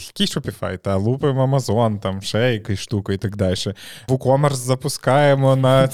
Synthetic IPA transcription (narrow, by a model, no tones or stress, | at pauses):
ɐ̥kʲiʃɔpʲɪfɑ̰jt̪ɑlˠupemɔɐmɐzɔnt̪ɑmʃɛjɐkʊʃt̪ukʊit̪ɐkd̪ɑlʲʃɛʋukɔmɛrszɐpʊskɑjemɔnɐ